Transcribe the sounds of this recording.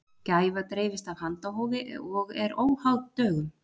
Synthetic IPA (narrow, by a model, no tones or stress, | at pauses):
cajvat̪ɾeːjvɪst̪av̥hant̪aɦoːwvɪɔɣɛɾoːwhawðt̪œːɣʏm